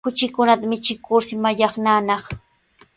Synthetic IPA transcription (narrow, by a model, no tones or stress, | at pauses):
ʊt͡ʃɪkʊnat̪amɪt͡ʃɪkʊɾsɪmaʎɑχnaːnɑχ